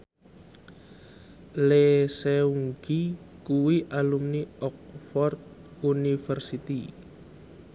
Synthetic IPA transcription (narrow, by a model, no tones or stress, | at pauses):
leseuŋɡikuwiʔalumniɔk̚fɔrt̪̚ | unifərsit̪i